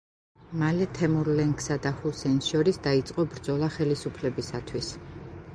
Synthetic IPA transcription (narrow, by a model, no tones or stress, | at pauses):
malɛt̪ʰɛmuɾlɛŋkʰsad̪ahusɛnsʃɔɾisd̪ait̪sʼqʼɔbɾd̪zɔlˠaχɛlisupʰlɛbisat̪ʰwis